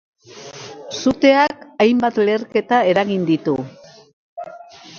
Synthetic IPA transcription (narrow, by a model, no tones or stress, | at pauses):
sut̪e̞akajmbat̪le̞ːrke̞t̪aeɾaɣind̪it̪u